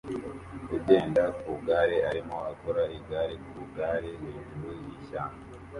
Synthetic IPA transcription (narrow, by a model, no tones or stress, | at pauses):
eɟeːndakuuɡaːɾeaɾimo̞akoɾaiɡaːɾekuβuɡaːɾeniɲɟimejiʃaːna